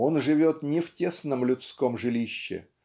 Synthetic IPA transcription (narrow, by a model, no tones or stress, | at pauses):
o̞nʐɨvʲo̞t̪nʲɪftʲesnəmlʲʊt̪sko̞mʐɨlʲiɕːɪ̰